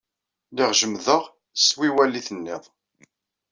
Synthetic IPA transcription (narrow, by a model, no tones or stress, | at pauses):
lɪʁʒəmðəʁ | swiwælːiθənːɪðˤ